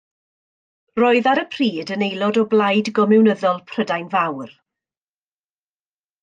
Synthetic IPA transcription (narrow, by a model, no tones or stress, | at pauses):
roːɨðaɾəpʰr̥iːdənejlˠɔdɔblˠajdɡɔmɪwnəðɔlˠpʰr̥ədajnvawr